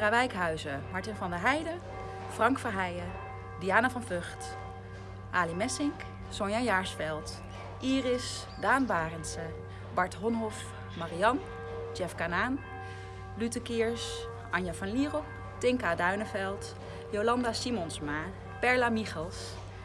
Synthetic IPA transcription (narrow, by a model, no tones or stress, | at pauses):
raːʋɛjkɦœɥzəmɑɹtɪnvɑndəɦɛjdə | frɑŋkfɑnɦɛjə | diaːnavɑnføχt | ʔaːlimɛsɪŋk | sɔnjanjaːɹsfɛlˠt | ʔiːrɪs | daːnbaːrənsə | bɑɹtɦɔnɦɔf | mariɑn | d͡ʒɛfkanaːn | lytəkiːɹs | ʔɑnjafɑnliːrok | tɪŋkadœɥnəvɛlˠt | jowlɑndasimɔnsma | pɛɹlamiχɛlˠs